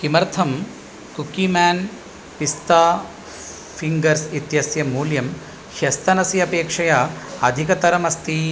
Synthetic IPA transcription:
kimɐɾt̪ʰɐm | kukimæːn | pist̪aː | pʰiŋɡɐɾsit̪jɐsjɐmuːljɐm | ʃɐst̪ʰɐnɐsiɐpeːkʂɐjɐɐd̪ʱikɐt̪ɐɾɐmɐst̪i

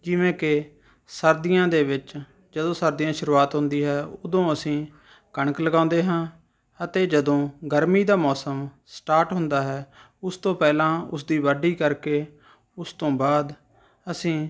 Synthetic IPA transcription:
d͡ʒɪʋẽːkɪ | səɾd̪ɪjãːd̪eːʋɪt͡ʃ | d͡ʒəd̪õːsəɾd̪ijãːʃʊɾuːaːt̪ɦʊ̃nd̪iːɦɛːʊd̪õːəsĩː | kəɳəkləɡãːʊ̃nd̪eːɦãː | ət̪eːd͡ʒəd̪õːɡəɾmiːd̪aːmɔːsəm | sʈaːʈɦʊ̃nd̪aːɦɛː | ʊst̪õːpɛːlãːʊs̬d̪iːʋəɖiːkəɾkeː | ʊst̪õːbaːd̪ | əsĩː

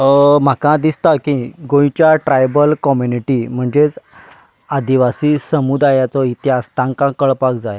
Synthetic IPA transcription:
m̤akãd̪ist̪akĩɡõjt͡ɕjaʈɾajbəlkɔmjuniʈim̤əɳd͡zet͡s | ad̪iʋasiːsəmud̪ajat͡sɔit̪ʰjast̪ãŋkãkəɭpakd͡zaj

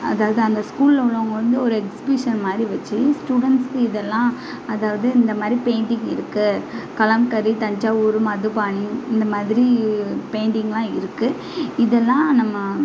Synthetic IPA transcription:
ɐ̰ðaːʋɐðɯɐnd̪ɐskuːllʊɭːɐʊŋɡɐʋɐnd̪ɯɔɾɯɛksɪbɪʂɐnmaːd̪ɾiʋɐt͡ʃːɯsʈuːɽɐɳʈskɯɪðɛlːãː | ɐðaːʋɐðɯɪnd̪ɐmaːd̪ɾipeːɳɖɪŋɡɪɾɯkːɯkɐlɐmkɐɾit̪ɐɲd͡ʒaːuːɾɯmɐðɯpaːɳiɪnd̪ɐmaːðɪɾipeːɳɖɪŋɡɐlãːɪɾɯkːɯ | ɪðɛlːãːnɐmːɐ

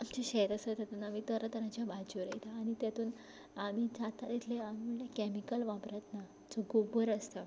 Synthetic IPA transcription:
amt͡ɕeɕeɦɾəsət̪jat̪uːnamit̪əɾət̪əɾãt͡ɕjabʱad͡ʑuɾəjt̪aːɽ̃it̪jat̪uːn | amid͡zat̪ad̪it̪ʰleamim̤uɳlekɛmikəlʋãbɾat̪na | d͡zoɡobəɾəst̪ə

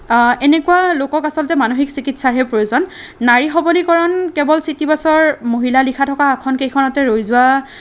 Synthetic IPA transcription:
ɛnekualokɔkasɔlɔtɛmanoxiksikitʰsaɹɛpɹojozɔnː | aɹixɔbɔlikɔɹɔnkɛbɔlsitibasɔɹmoɦilalikʰatʰɔkaːkʰɔnkejkʰɔnatɛɹojzʊa

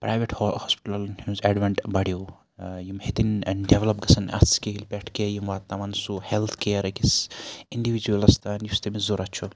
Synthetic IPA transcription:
pɾajʋeʈhhospi̥ʈɐlnhumzɛɖʋɐɳʈbɐɽijo | jimhet̪inɖeʋlɐp̚ɡɐsɐnɐ̰skelpeʈʰkejimʋat̪t̪ːɐmɐnsuhelt̪ʰkeːɾɐkisiɳɖiʋid͡ʒuɐlɐst̪anjust̪emizoɾɐt͡ʃʰu

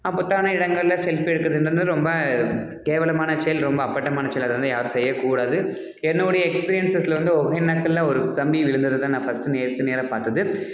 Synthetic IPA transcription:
ɐpːʊt̪ːaːnɐɪɽɐŋɡɐɭlɐsɛlfɛɽɯkːɾɐðɯndɾɯnd̪ɯɾɔmbɐ | keːʋɐlɐmaːnɐt͡ʃɛjɐlɾɔmbɐːpːɐʈːɐmaːnɐt͡ʃɛjɐlɐðɐʋɐnd̪ɯjaːɾɯ̃sɛjːɐkuːɽaːðɯ | ɛnːoːɽɐjɐɛkspiːɾɪjɐnsɐslɐʋɐnd̪ɯɔɣɐɪnːɐk̪ːɐlãːɔɾɯt̪ɐmbiʋɪɻɯnd̪ɐðɯt̪ãːnãːfɐsʈɯneːɾt̪ɯneːɾɐpaːɾt̪ɐðɯ

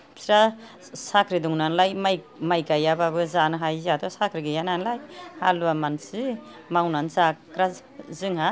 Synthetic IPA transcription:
sɾa | sakʰɾiduŋnanlajmaj | majkajababɯzanɯɦajzat̪ʰɔsakʰɾiɡijananlajhaluamansi | mawnanzakɾa | zɯŋha

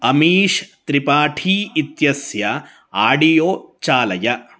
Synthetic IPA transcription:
ɐmiːʃt̪ɾipaːʈʰiːt̪jɐsjɐ | aːɖijoːt͡ʃaːlɐjɐ

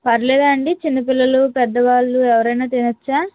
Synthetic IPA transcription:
pɐɾlɛːd̪aːɳɖit͡ʃinːɐpilːɐlupɛd̪ːɐʋaːɭːuɛʋɐɾɐjnaːt̪inɐt͡ʃːaː

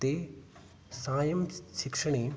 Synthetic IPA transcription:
t̪e | saːjɐmʃɪkʂəɽ̃iː

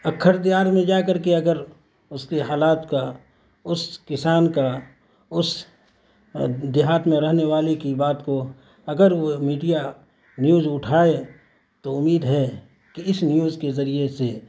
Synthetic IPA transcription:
ɐkʰːəɾd̪ɪjaːɾmẽd͡ʒaːkɐɾkeɐɡəɾ | ʊskeɦaːlaːt̪ka | ʊskɪsaːnka | ʊs | d̪ɪɦaːt̪mẽɾɐɦneʋaːlekibaːt̪ko | ɐɡəɾʋomiːɖija | njuːzʊʈʰaːe | t̪oʊmiːd̪ɦɛ | kiɪsnjuːzkezɐɾiese

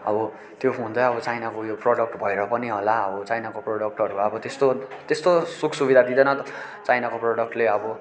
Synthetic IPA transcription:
ʌ̰bʌ | t̪joɦũnd̪ʌjʌbʌt͡sajnakojoproɽʌk̚ʈbʱʌeɾʌpʌniɦolaʌbʌt͡sajnakoproɽʌk̚ʈʌɾuʌbʌt̪est̪ot̪est̪osuksubid̪ad̪id̪ʌnʌt̪ | t͡sajnakoproɽʌk̚ʈleʌbʌ

